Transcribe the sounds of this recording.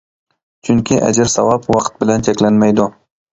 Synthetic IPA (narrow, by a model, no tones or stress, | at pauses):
t͡ʃʰʊŋkʲʰɪʔa̰d͡ʒaɾsawɑpwɑqʰt̪̚bɪlant͡ʃʰakʲlanmajd̪ʊ